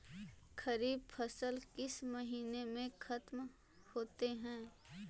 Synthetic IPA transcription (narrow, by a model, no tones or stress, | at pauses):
kʰɐɾiːb̚pʰɐsəlkɪsmɐɦiːnemẽxʰɐt̪m | hoːt̪eɦɛ̃ː